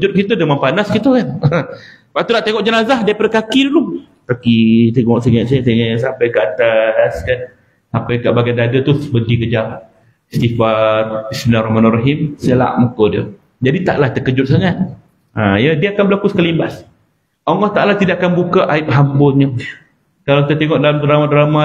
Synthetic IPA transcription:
d͡ʒʊt̪̚kit̪ədəmanpanaskit̪ukan | paʔt̪unaʔt̪eŋɔʔd͡ʒənazahdiəpadakakidulum | kakit̪eŋɔʔsəŋat̪sasaŋas̬ampajɡat̪askan | sampajkaʔbaɡadadət̪usəbəɡikəd͡ʒal | st̪ifarismilarɔɦmanaraɦimsəla̰ʔmukodiə | d͡ʒadit̪a̰ʔlaht̪əkəd͡ʒʊt̪̚saŋat̪̚ | ajədiəakanbəlakusə̥kalimbas | oŋɔht̪aʔlaht̪idaʔakanbukaʔaip̚ɦambʊnɲə | kalawkit̪at̪eŋɔʔdalamdɾamadɾama

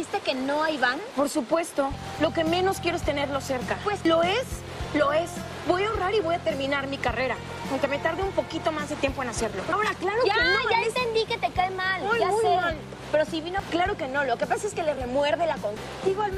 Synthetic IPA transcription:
ist̪eke̞no̞ajβanpo̞ɾsupwe̞st̪o̞ | lo̞ke̞mẽ̞no̞skje̞ɾoest̪e̞ne̞ɾlo̞se̞ɾkapweslo̞es | lo̞e̞s | bo̞jaoraɾiβo̞jat̪e̞ɾmĩnaɾmikareɾa | aŋke̞me̞t̪aɾðeumpo̞kit̪o̞mazðet̪jempo̞enase̞ɾlo̞aoɾaklaɾoaenoaeent̪end̪ike̞t̪ekaemalujʝaujeal | pe̞ɾo̞siβinoklaɾo̞ke̞no̞lo̞ke̞pasaeske̞lere̞mwe̞ɾðelakoŋ | d̪iɣam

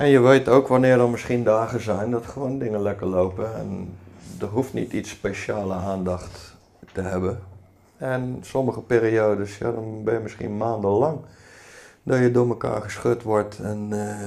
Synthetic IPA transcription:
ʔɛnjəʋejtowkʋanɪːɹdɔnmɪsχindaːɣəzɛjndɔtχəʋoːndɪŋəlɛkəɹlowpəɛ̰ndərɦuftnḭtitsːpejʃaːləaːndɑχtː | əɦɛbə | ɛnsɔməχəpeːɾioːdəsja̰dɔnbɪjəmɪsχḭnmaːndəlɑŋ | dɔjədʊːməka̰ːɹχəsxøtʋɔɹtɛn

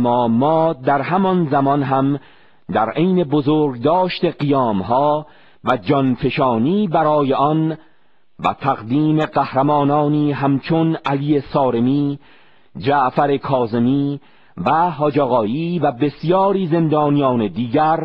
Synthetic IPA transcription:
mɒːmɒːd̪æɾhæmɒnzæmɒnɦæm | d̪æɾʔejne̞bozoːɾɡd̪ɒːʃt̪e̞ɢijɒːmɦɒː | væd͡ʒɒnpʰe̞ʃɒːniːbæɾɒːje̞ʔɒn | væ̰t̪ʰæɣd̪iːme̞ɢæhɾæmɒːnɒːniːɦæmt͡ʃʰonʔæliːe̞sɒːɾe̞miː | d͡ʒæʔfæɾe̞kʰɒːze̞miː | væɦɒːd͡ʒæɣɒːjiːvæbe̞sjɒːɾiːze̞nd̪ɒːnijɒːne̞d̪iːɡæɾ

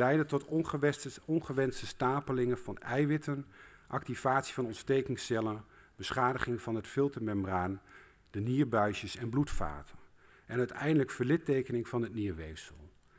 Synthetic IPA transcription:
lɛjdətɔt | ɔnχəʋɛnstəstaːpəlɪŋənv̥ɑnɛjʋɪtənʔɑk̚tiv̥aːtsi̥vɑnɔntstejkɪŋsɛlənbəsχaːdəχɪŋvɑnɦətfɪlˠtəɹmɛməraːn | d̥əniːɹbœɥʃəsɛnblutfa̰ːtə | ɛnœɥtɛjndələkfəɹlɪtejkənɪŋvɑnɦətniːɹʋejsəlˠ

